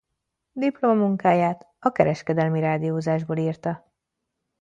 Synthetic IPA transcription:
d̪iplo̞mɒmuŋkaːjaːt̪ | ɒkɛɾɛʃkɛd̪ɛlmiɾaːd̪ijoːzaːʒboːliːrt̪ɒ

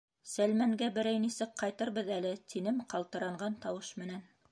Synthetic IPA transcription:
sælmæŋɡæbɘ̆ɾæjnisɘk̚qɑjt̪ɤɾβɤðælɘt̪ʰinɘmqɑlˠt̪ɤ̆ɾɑɴɢɑnt̪ɑwɤʃmɘ̆næn

